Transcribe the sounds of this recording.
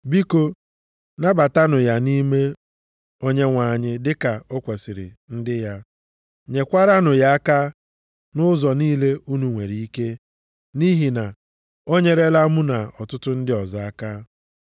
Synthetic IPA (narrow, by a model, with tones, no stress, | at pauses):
bi˦ko˦ | na˦ba˨ta˦nʊ˨ja˨ni˦me˦ | o˦ɲe˦ŋʷa˨ɲɪ˦dɪ˦ka˨o˦kʷe˨sɪ˨ɾɪ̰˨ | n̩˦dɪ˦ja˦ | ɲe˨kʷa˦ɾa˦nʊ˨ja˦a˦ka˦ | nʊ˦zɔ˨niː˦le˦u˦nu˨ŋʷe˨ɾi˨i˦ke˦ | ni˦ɦi˨na˨ | o˦ɲe˦ɾe˦la˦mu˦na˨ɔ˨tʊ˦tʊ˦n̩˦dɪ˦ɔ˨za˨a˦ka˦